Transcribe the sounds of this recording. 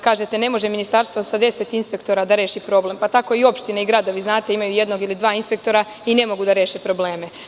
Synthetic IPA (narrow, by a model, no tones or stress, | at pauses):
kaːʒet̪ene̞mo̞ʒeminist̪aɾst̪ʋosad̪e̞set̪inspe̞kt̪o̞ɾad̪aɾe̞ːʃipɾo̞ble̞mpat̪ako̞io̞pʃt̪ineiɡɾad̪o̞ʋiznaːt̪eimajuje̞d̪no̞ɡilid̪ʋaːinspe̞kt̪o̞ɾa | ine̞mo̞ɡud̪aɾe̞ːʃepɾo̞ble̞ːme